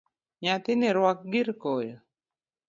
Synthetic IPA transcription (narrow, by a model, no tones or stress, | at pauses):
ɲat̪ɪnɪɾwak̚ɡiɾkɔjɔ